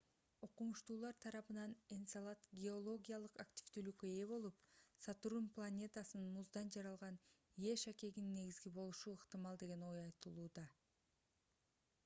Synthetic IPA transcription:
oqumuʃt̪uːlˠɑɾt̪ʰɑɾɑpɯnɑnensalˠɑt̪ɡʲeo̞lˠo̞ɡʲijalˠɯqaktʲi̥vt̪yːlykøe̞βo̞lˠupsɑt̪ɾumplˠanʲe̞t̪asɯnnmuzd̪ɑnd͡ʒɑɾɑlˠʁɑn | ije̞ʃake̞ɡinnːe̞ɡizɡibo̞lˠuʃuɯqt̪ɨmɑlˠd̪e̞ɡe̞no̞jɑjt̪ɯlˠuːd̪ɑ

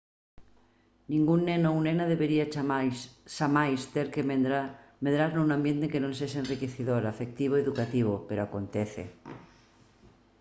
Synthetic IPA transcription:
nĩŋɡunːenounenaðeβeɾia | samajst̪eɾkemeɾameðɾaɾnounãmbjent̪ekenõnseʃenrikeθiðoɾafek̚t̪iβ̞oeðukat̪iβ̞opeɾoakont̪eθḛ

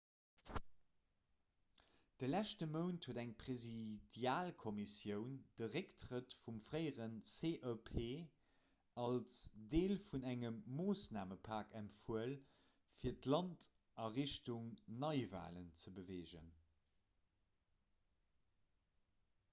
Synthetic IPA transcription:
d̥əlæʃtəməʊntʰhuədæŋpʁezidjaːlkʰomisjəʊnd̥əʁektʁətfumfʁəɪəʁənt͡seʔœpʰeː | ɑlsdeːlfunæŋəmːoːsnaːməpʰɑːkæmtfuəl | fiːɐtlɑnt | ɐʁiʃtuŋnɑɪva̰ːlənt͡səbəveːʒə̰n

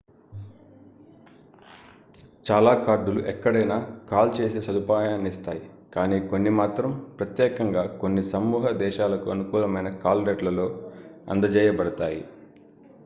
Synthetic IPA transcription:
t͡ʃaːlaːkaːɾɖuluʔɛkːɐɽɐjnaːkaːlt͡ʃe̞ːsesɐd̪upaːjaːnist̪aːji | kaːniːko̞nːimaːt̪ɾɐmpɾɐt̪jɛːkɐŋɡaːko̞nːisɐmːuːɦɐd̪ɛːʃaːlɐkuɐnukuːlɐmɐjnɐkaːlɾeʈlɐlo̞ːɐ̰nd̪ɐd͡ʒɛːjɐbɐɽɐt̪aːjḭ

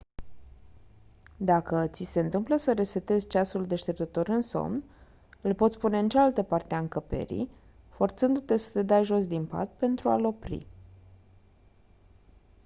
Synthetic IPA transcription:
d̪akət̪sise̞ɨnt̪ɨmpləsəɾe̞se̞t̪e̞zʲt͡ʃasuld̪e̞ʃt̪e̞p̚t̪ət̪o̞ɾɨnso̞̰mn | ɨlpo̞t̪sʲspune̞ɨnt͡ʃealt̪əpart̪eaɨŋkəpe̞̰ɾḭj | fo̞rt̪sɨnd̪ut̪e̞sə̥t̪e̞d̪ajʒo̞s̬d̪impa̰t̪̚pe̞nt̪ɾualo̞pɾḭ

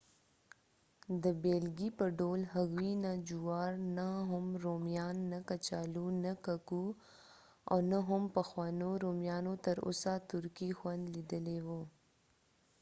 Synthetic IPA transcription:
d̪əbeːlɡipəɖoːlɦaɣinad͡ʒuwɑːɾnaɦʊmɾomjɑːnːakat͡ʃaːlunakaku | a̰wnaɦʊmpɐxwɑːnoɾomjɑːnot̪əɾo̰sat̪ʊɾkixwɐnd̪lid̪əlewo

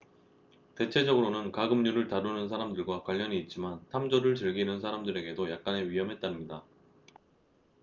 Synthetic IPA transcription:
te̞t͡ɕʰe̞d͡ʑʌɡɯɾonɯnkaɡɯmɲuɾɯɭtaɾunɯnsʰaɾamdɯɭɡwakwaʎːʌɲiːt̚t͡ɕ͈imantʰamd͡ʑʌɾɯɭt͡ɕɯɭɡinɯnsʰaɾamdɯɾe̞ɡe̞dojak̚k͈ane̞ɥiɦʌmɦe̞t̚t͈anɯmɲida

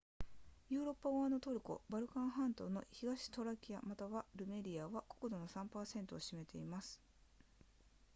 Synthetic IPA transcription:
jɯ̟ːɾo̞pːaoanot̪o̞ɾɯ̟ko̞̰baɾɯ̟kãɰ̃ɦãnt̪o̞no̞çiɡaɕi̥t̪o̞ɾakʲiamat̪aβaɾɯ̟me̞ɾʲiaβako̞̥ko̞d̪o̞no̞sãmpaːsẽ̞nt̪o̞ːɕime̞t̪e̞imasɨ̥

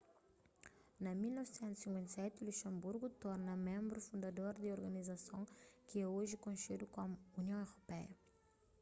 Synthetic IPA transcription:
nɐmilnɔvɪsẽnt̪u̥sĩŋkwẽnt̪sɛt̪uluʃɐ̃mbuɾɡut̪ɔɾnɐmẽmbɾʊfũnd̪ad̪oɾd̪ɪoɾɡɐnizasõw̃kɪɛoʒɪkõʃid̪ukõmuuniɐ̃w̃ewɾopɛjɐ̰

